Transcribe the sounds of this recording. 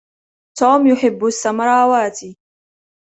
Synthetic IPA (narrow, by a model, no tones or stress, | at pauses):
t̪oːmjʊħɪbːʊsːamɾˤɑːwaːt̪i